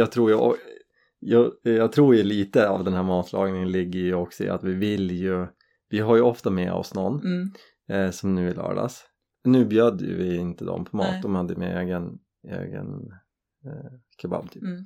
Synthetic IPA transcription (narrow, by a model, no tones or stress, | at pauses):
jɑt̪ʰɾuːɾjɔ | jɑjɑt̪ʰɾuːɾjɵliːt̪əa̰vd̪ɛnhæːɾmɑːt̪ʰlʔɑ̰ːɡnɪŋənlɪɡːəɾjɵɔksɔɪ̰a̰t̪vɪvɪljɵ | vɪɦaɾjɵɔft̪amɛːɔ̰snɔnː | sɔmnʉːvɪlœ̰ːɖa̰s | nʉ̟ːbjœd̪ːəjə̰vɪɪnt̪əd̪ɔ̰mpʰɔmɑ̰ːt̪̚d̪ɔmhad̪ːəjmɛeːɡən | ḛːɡə̰n | kʰaba̰bt̪ʰyːp